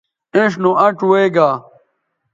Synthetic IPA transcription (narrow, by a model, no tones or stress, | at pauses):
ẽʂnũʔɐʈweːɡaː